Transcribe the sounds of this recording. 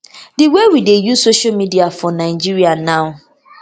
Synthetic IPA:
diwewidejusoʃamidiafɔnaɪd͡ʒiɾianaʊ

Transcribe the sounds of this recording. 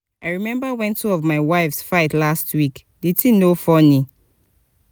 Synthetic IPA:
aɪɹimɛ̃mbawɛ̃ntːuɔvmaɪwaɪfsfaɪtlastʰwik | ditinofɔni

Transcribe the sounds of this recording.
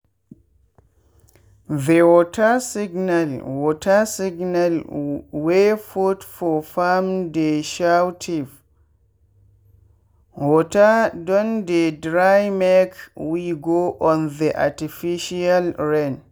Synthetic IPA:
ðewɔtʰasiɡnalwɔtasiɡnalwefutfɔfamdeʃawtʰiv | wɔtadɔ̃ndedɾajmɛkwiɡoʔɔ̃nðəʔa̰tifiʃialɹɛ̃n

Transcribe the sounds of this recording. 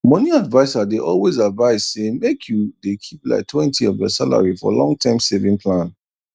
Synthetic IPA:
mɔniadvaɪsadeʔɔlwezadvaɪz̥semekʰjudekʰipla̰ɪk̚tʰwɛ̃ntʰiɔvjɔ̰sala̰ɹifɔ̰lɔ̰̃ŋɡ̚tʰãɪ̃msevĩŋpʰlãn

